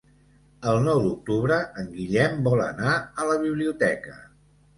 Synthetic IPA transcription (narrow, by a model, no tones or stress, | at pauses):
əlˠnɔwd̪uk̚t̪uβɾəəŋɡiʎɛmbɔlˠə̰naələβ̞iβliut̪ɛkə